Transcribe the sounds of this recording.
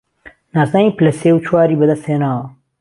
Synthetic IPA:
naːsnaːiːplɐseːwt͡ʃʰwaːɾiːbɐd̪ɐst̪heːnaːwɐ

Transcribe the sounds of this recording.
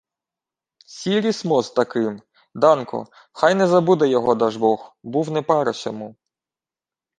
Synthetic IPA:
sʲiɾʲismɔzt̪ɐkɪm | d̪ɑnkɔ̰ | xɑjnɛzɐbud̪ɛjɔɦɔd̪ɑʒbɔxbuwnɛpɑɾɐsʲɔmu

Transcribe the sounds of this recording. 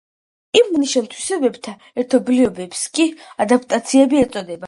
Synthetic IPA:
imːniʃɛmˠt̪ʰwisɛbɛbt̪ʰa | ɛɾt̪ʰɔbliɔbɛpskʼiad̪ap̚ʰt̪ʼat̪sʰiɛbiɛt̪sʼɔd̪ɛba

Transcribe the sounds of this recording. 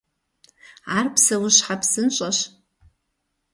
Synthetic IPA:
arpʰsawʊʃħapʰsɨnɕʷʼaʃ

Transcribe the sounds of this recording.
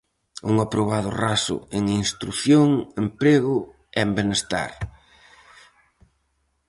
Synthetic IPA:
uŋapɾoβ̞aðʊrasʊ̰eŋinst̪ɾuθjoŋempɾeɣʊ | ɛmbenest̪a̰ɾ

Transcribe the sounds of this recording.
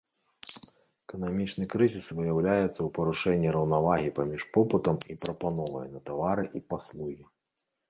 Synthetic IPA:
ɛkɐnamʲit͡ʂnɨkɾɨzʲisvɨjawlʲajɛt̪sːɐwpɐɾuʂɛnʲːiɾɐwnavaɣʲipamʲiʂpɔpɨt̪ɐmipɾɐpanɔvɐ̰jnɐt̪avaɾɨʔipaslˠuɣʲi

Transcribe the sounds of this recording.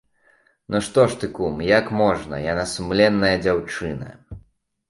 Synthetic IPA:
nɔʂt̪ɔʂt̪ɨkumjakmɔʐnɐ̰janasumlʲɛnːɐjɐd͡zʲawt͡ʂɨnɐ̰

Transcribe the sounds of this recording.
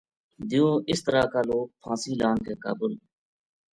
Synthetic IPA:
d̪ɪjõːʔɪst̪əɾaːkaːloːk̚pʰãːsiːlaːnkeːka̰ːbʊl

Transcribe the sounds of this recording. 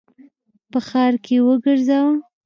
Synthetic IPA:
pəxɑɾkʰewəɡəɾzawa

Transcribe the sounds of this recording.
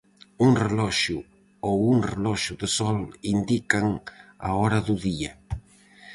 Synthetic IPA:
uŋrelɔʃu | owuŋrelɔʃʊðesɔlind̪ikaŋa̰ɔɾaðuðiɐ

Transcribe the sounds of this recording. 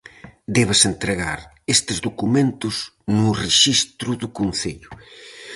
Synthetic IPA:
d̪ɛβɪsent̪ɾeɣaɾ | est̪ɪzðukumẽnt̪ʊznʊreʃist̪ɾʊðʊkonθeʎʊ

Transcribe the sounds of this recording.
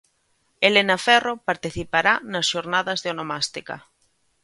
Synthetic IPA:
elenafɛropaɾt̪iθipaɾanɐsʃoɾnaðɐzðeonomast̪ika̰

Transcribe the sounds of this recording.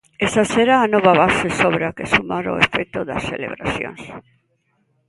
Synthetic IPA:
esaseɾaːnoβaβasesoβɾakesumaɾoefek̚t̪oðɐ̰sθelḛβɾa̰sjõ̰ŋs

